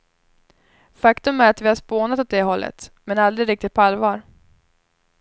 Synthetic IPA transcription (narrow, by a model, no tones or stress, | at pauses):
fakt̪ɵmæɾat̪vɪhaʂpoːnat̪ɔt̪̚d̪ɛɦɔlːʔə̰t̪mɛnald̪ɾɪɾɪk̚t̪ɪt̪̚pʰɔalːvɑːɾ